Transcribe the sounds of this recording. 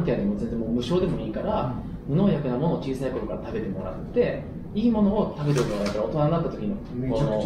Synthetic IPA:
t̪ead̪emo̞zẽ̞nd͡zemoːmɯ̟ɕo̞ːd̪emo̞iːkaɾa | mo̞no̞ːjakɯ̟namo̞no̞ːt͡ɕiːsaiko̞ɾokaɾat̪abe̞t̪e̞mo̞ɾa̰t̪ːe̞ | iːmo̞no̞ːt̪abe̞t̪eɾɯkooad̪akːaɾao̞t̪o̞nanːat̪ːat̪o̞kʲino | koːn

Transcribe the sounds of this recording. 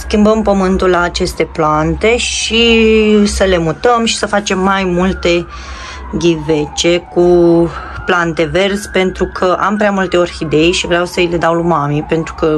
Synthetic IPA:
skʲimbəmpəmɨnt̪ullaːt͡ʃe̞st̪e̞plant̪e̞ʃisəle̞mut̪əmʃi̥səfat͡ʃe̞mːajmult̪e̞ | ɡʲive̞t͡ʃe̞ku | plant̪e̞ve̞rzʲpe̞nt̪ɾukʰəʔa̰mpɾeamult̪e̞o̞rʲxid̪e̞jʃivɾeawsəile̞d̪awlumamipe̞nt̪ɾukə

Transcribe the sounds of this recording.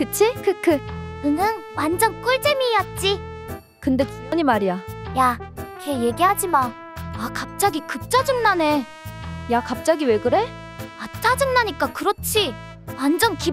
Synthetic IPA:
kɯt͡ɕʰikɯkʰɯkɯnɯnwand͡ʑʌnk͈ɯɭd͡ʑemiːʌt̚t͡ɕ͈i | kɯnde̞t͡ɕu̥pʌɲimaɾijajakʰeje̞ɡiɦad͡ʑiman | akap̚t͡ɕ͈aɡikɯp̚t͡ɕ͈ad͡ʑɯŋnane̞ | jakap̚t͡ɕ͈aɡiwe̞ɡɯɾe̞ | at͡ɕ͈ad͡ʑɯŋnaɲik͈akɯɾʌt͡ɕʰi | wand͡ʑʌnki

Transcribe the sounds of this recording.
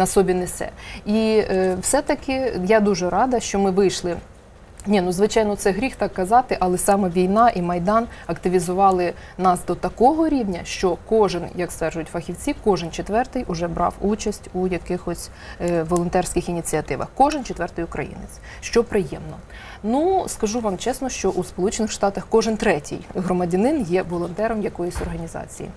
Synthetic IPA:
nɐsɔbʲinɛsɛ̰iwsɛt̪ɐkɪjad̪uʒɛɾɑd̪ɐʃt͡ʃɔmɪʋɪjʃlˠɪ | nʲinuzʋɪt͡ʃɑjnɔt̪sɛɦɾʲixt̪ɑkːɐzɑt̪ɪʔɐlˠɛsɑmɛʋʲijnɑʔimɐjd̪ɑnɐkt̪ɪʋʲizʊʋɑlˠɪnɑsd̪ɔt̪ɐkɔɦɔɾʲiwnʲɐʃt͡ʃɔkɔʒɪnjɐkst̪ʋɛrʒʊjʊtʲfɐxʲiwt͡sʲikɔʒɪnt͡ʃet̪ʋɛrt̪ɪjʔʊʒɛbɾɑ̰wut͡ʃɐsʲtʲujɐkɪxɔsʲ | ʋɔlˠɔnt̪ɛrsʲkɪxinʲit͡sʲiɐt̪ɪʋɐ̰xkɔʒɪnt͡ʃet̪ʋɛrt̪ɪjʊkɾɐ̰jḭnɪ̰t͡sʲ | ʃt͡ʃɔpɾɪjɛmnɔ | nuskɐʒuʋɑmt͡ʃɛsnɔʃt͡ʃɔʔuspɔlˠut͡ʃenɪxʂt̪ɑt̪ɐxkɔʒɪnt̪ɾɛtʲḭjɦɾɔmɐdʲɐnɪnjɛʋɔlˠɔnt̪ɛɾɔmjɐkɔjɔsʲɔrɦɐnʲizɑ̰t͡sʲḭjḭ

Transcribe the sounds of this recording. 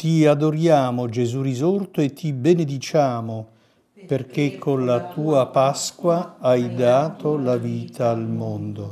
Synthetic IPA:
t̪iad̪oɾjaːmod͡ʒezurizort̪oet̪ʰːibened̪it͡ʃaːmo | perk̟ekʰːonlat̪uːapaskwaajd̪aːt̪olaviːt̪ʰaːlmond̪o

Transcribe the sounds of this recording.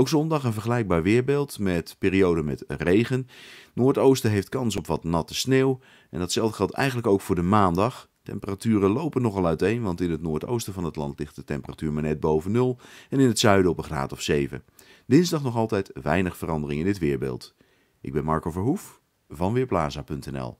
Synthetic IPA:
owksɔndɑχənvəɹχəlɛjɡ̚baːɹʋɪːɹbeːlˠtmɛtpɪːɾiowdəmɛtrejχənnʊːɹtowstəɦejftkɑns̬ɔpʋɑtnɑtəsneːw | ɛ̰ndɑtsɛlˠdəχɛlˠtɛ̰jχənləkowkfʊːɹdəmaːndɑχ | tɛ̰mpəratyːrəlowpənːɔχɑlˠœɥtejnʋɑntɪnətnʊːɹto̰wstəvɑnɦətlɑntlɪχt̚dətɛmpəratyːɹmanɛt̚bowvənːɵlˠɛnɪnətsœɥdəɔpəχra̰ːtɔfsejvə̰ | d̥ɪnzdɑχnɔχɑlˠtɛjtʋɛ̰jnəχfərɑndərɪŋɪndɪtʋɪːɹbɪ̰ːlˠt | ʔɪ̰ɡ̚bɛnmɑɹkovəɹɦuf | vɑnʋɪːɹplaːzapɵntɛnɛ̰lˠ

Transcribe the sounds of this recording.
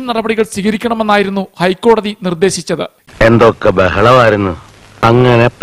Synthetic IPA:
mnɐrɐbɐɽiɣɐɭsiɣɐɾikʲːɐɳɐme̞nːaːjiɾunːuhɐjkːo̞ːɽɐðinird̪e̞ːɕit͡ɕːɐðɨ̰ | e̞nd̪okːebeɦɐɭɐʋaːjiɾunːu | ɐŋːɐne̞p

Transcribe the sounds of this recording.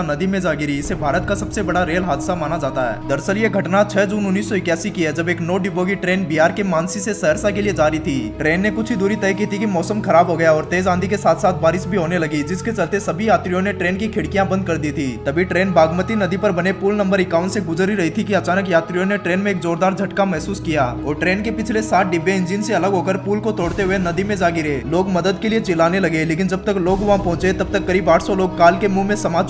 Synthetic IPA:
nɐd̪imẽd͡ʒaːɡɪɾiɪsebʱaːɾət̪̚kasɐbsebɐɽaɾeːlɦaːd̪ɪsamaːnad͡ʒaːt̪aɦɛ̰ːd̪ɐɾsəljeɡʱɐʈnat͡ʃʰɛd͡ʒuːnʊnːiːsːɔɪkjaːsikiɦɛd͡ʒɐbeːknoːɖiboːɡiʈɾeːnbiːjaːɾkemaːnsisesɐɦəɾsakelied͡ʒaːɾit̪ʰiːʈɾeːnːekʊt͡ʃʰid̪uːɾit̪ɛːjkit̪ʰikimɔːsəmxɐɾaːbɦoɡɐjaɔːɾt̪eːzãːnd̪ʱikesaːt̪ʰsaːt̪ʰbaːɾɪsbʱiɦoːnelɐɡid͡ʒɪsket͡ʃɐlt̪esɐbʱijaːt̪ɾijõneʈɾeːnkikʰɪɽkijãbɐ̃nd̪̚kɐɾd̪iːt̪ʰiːt̪ɐbʱiʈɾeːnbʱaːɡmət̪inɐd̪ipɐɾbɐnepuːlnɐ̃mbəɾɪkaːʊ̃ɳʈseɡʊd͡ʒɾiɾɐɦit̪ʰikiɐt͡ʃaːnək̬jaːt̪ɾijõneʈɾeːnmẽeːkzoːɾd̪aːɾd͡ʒʱɐʈkamɛɦsuːskijaːɔːɾʈɾeːnkepɪt͡ʃʰlesaːʈ̪̚ʰɖɪbːeɪ̃nd͡ʒinseɐləɡɦoːkəɾpuːlkot̪oːɽt̪eɦʊenɐd̪imẽd͡ʒaːɡɪɾeːloːɡmɐd̪əd̪keliet͡ʃɪlaːnelɐɡeleːkɪnd͡ʒɐb̚t̪əkloːɡʋɐɦãpɐ̃ɦʊ̃t͡ʃet̪ɐb̚t̪ɐkːɐɾiːbaːʈʰsɔloːɡ̚kaːlkemũmẽsɐmaːd͡ʒ

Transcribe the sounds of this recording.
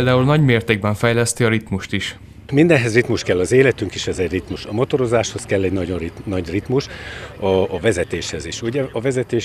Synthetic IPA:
ld̪aːulnɒɟmeːrt̪eːɡ̚bɛɱfɛjlɛst̪iɒɾit̪muʃt̪iʃ | mind̪ɛnɦɛzrit̪muʃkɛlːɒzeːlɛt̪yŋkiʃɛzɛɟrit̪muʃɒmo̞t̪o̞ɾo̞zaːʃho̞skɛlːɛɟnɒɟoinɒɟrit̪muʃɒːvɛzɛt̪eːʃhɛziʃuɟɛɒvɛzɛt̪eːʃ

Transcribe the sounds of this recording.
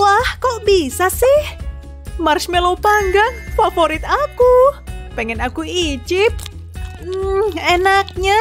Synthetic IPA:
wahkɔʔbisasɪh | marsmɛlopaŋɡaŋfafoɾɪt̪akupɛŋɛnakuid͡ʒɪp̩̚ | enak̚ɲa

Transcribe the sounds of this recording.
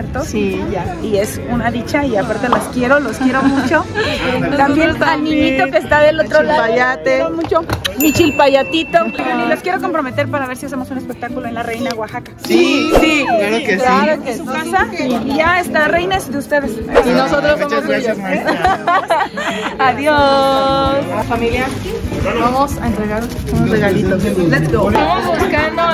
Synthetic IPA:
eɾt̪osiʝaie̞s | unaðit͡ʃaiapaɾt̪elaskje̞ɾo̞loskje̞ɾo̞mũt͡ʃo̞ | t̪ambjenalnĩɲit̪o̞keːst̪aðelot̪ɾolaajat̪emut͡ʃomit͡ʃilpaʝat̪it̪opoɾaniloskjeɾo̞ko̞mpɾo̞me̞t̪eɾpaɾaβ̞e̞ɾsias̬emo̞sunespe̞k̚t̪akuloenlare̞jnaðeɣwaxakasisieɾokeklaɾokeasaiʝaest̪arejnasðeust̪eðessinosot̪ɾosaoseoa | aðjo | sfamilja | bamosaent̪ɾeɣaɾosunozreɣalit̪oslesoɾaozuskano

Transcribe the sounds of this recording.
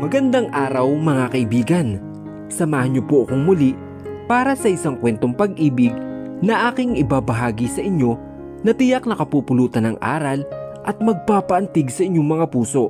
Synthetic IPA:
mɐɡɐnd̪aŋʔaːɾɐwmɐŋakɐʔɪbiːɡɐn | sɐmaːhɐnɲopoʔɐkoŋmʊliʔ | paːɾɐsɐʔɪsaŋkwɛnt̪o̞ŋpɐɡʔiːbɪɡ̚nɐʔaːkɪŋɪbaːbɐɦaːɡɪsɐʔɪɲo̞ | nɐt̪ɪjak̚nɐkɐpupʊluːt̪ɐnɐŋʔa̰ːɾɐl | ʔɐt̪̚mɐɡ̚paːpɐʔɐnt̪ɪɡsɐʔɪɲːoŋmɐŋapuːso̞ʔ

